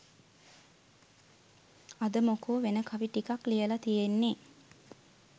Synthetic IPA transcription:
ɐd̪əmokoːʋenəkʰaʋiʈikaklijəlat̪ijenːe

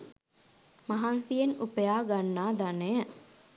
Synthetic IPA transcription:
mɐɦansijenupɐjaːɡanːaːd̪ɐneə

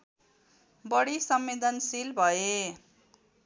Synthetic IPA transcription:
bʌɽisʌmːed̪ʌnsilbʱʌe

